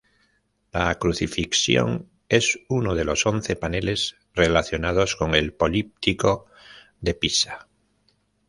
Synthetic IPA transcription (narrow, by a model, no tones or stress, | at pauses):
lakɾuθifiksjo̞̰ŋ | e̞sunoð̞e̞lo̞so̞nθe̞pane̞le̞z | re̞laθjo̞nað̞o̞sko̞ŋe̞lpo̞lip̚t̪iko̞ | ðepisḁ